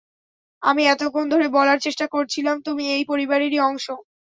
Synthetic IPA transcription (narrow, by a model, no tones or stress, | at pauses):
amiɛt̪okʰond̪ʱoɾebɔlaɾt͡ɕeʃʈakoɾt͡ɕʰilamt̪umiejpoɾibaɾiɾiɔŋʃo